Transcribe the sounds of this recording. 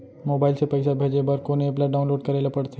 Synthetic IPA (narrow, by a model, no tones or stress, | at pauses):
moːbaːɪlsepɐɪsabʱeːd͡ʒebɐɾkoneplaɖaːʊnloːɖ̚kɐɾeːlepɐɽt̪ʰe